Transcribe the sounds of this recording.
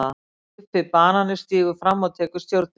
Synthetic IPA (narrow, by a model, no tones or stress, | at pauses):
a | pːɪpaːnanɪst̪iːɣʏfɾamːaðt̪ʰɛːkʏ̥st̪jowɾt̪̚n